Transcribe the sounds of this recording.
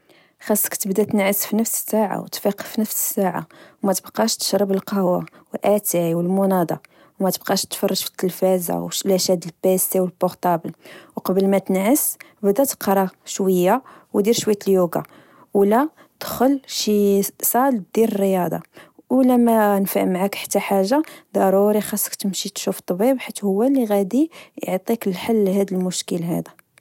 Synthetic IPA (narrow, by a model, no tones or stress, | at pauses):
xɑsˤːə̥kt̪əbd̪æt̪ənʕəsfinəfsə̥sːaʕa̰wt̪fiqə̥finəfsə̥sːaʕa̰wmæt̪əbqɑʃt̪ə̥ʃɾˤəbəlqɑhwa̰ | wəlʔæt̪iʕwəlmʊnɑd̪ˤɑ̰ | wmæt̪əb̚qɑʃt̪fɑrˤːɑʒfi̥t̪ːəlfæza̰wlæʃæd̪əlpæsiwəlbʊɾt̪ˤɑbəlwqɑbəlmæt̪ənʕəs | bd̪æt̪ə̥qɾˤɑʃwəjːawd̪iɾʃwəjt̪əljuɡa̰ | læ | d̪̥xʊlʃisˤɑld̪iɾərːəjɑd̪ˤɑ̰læmænfaʔmʕakħḁt̪ːæħaʒːad̪ɑɾˤuɾixɑsˤːə̥kt̪əmʃit̪ʃuft̪ˤːbibħit̪ːhʊwːæliɣæd̪ijəʕt̪ˤiklħalːɦæd̪əlmʊʃkəlɦæ̰d̪æ